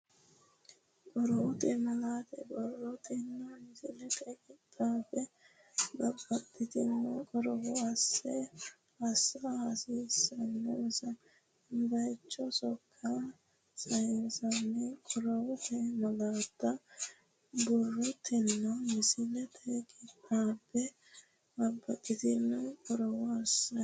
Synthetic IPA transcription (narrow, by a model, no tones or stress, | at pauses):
kʼɔɾɔwʊt̪ʼɛmɐlaːt̪ɛbɔrːɔt̪ʰʼɪnːɐmɪsɪlɛt̪ʼɛkʼɪt̪ʼːaːfɛ | bɐbːɐt̪ʼːɪt̪ɪnːɛkʼɔɾɔwɔɐsːɛ | ɐsːɐhɐsiːsːɐnːɛsɐ | b̪ɐjt͡ʃːɔsɔkʰːa | sɐjnsɐnːɛkʼɔɾɔwɔt̪ʰɛmɐlaːt̪ːɐ | bɔrːɔt̪ʰɪnːɐmɪsɪlɛt̪ʰɛkʼɪt̪ʼːaːpːɛ | bɐbːɐt̪ʼːɪt̪ɪnːɛkʼɔɾɔwɔɐsːɐ